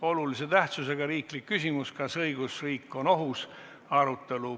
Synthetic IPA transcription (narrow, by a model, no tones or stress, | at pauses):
o̞lulise̞t̪æht̪suse̞ɡ̥ɑɾiːklikːysʲimuskɑsɤiɡ̥usriːkːˑo̞no̞ɦus | ɑɾut̪ːˑe̞lu